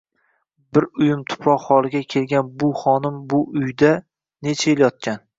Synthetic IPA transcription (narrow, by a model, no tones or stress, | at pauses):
bɪɾʊjɪmt̪ʰʊ̥pʰɒhɒlˠɪɡʲakʲʰe̞lɡʲanbʊχɒnɪmbʊʊjd̪a | ne̞t͡ʃʰaeljɒt̪̚kʲan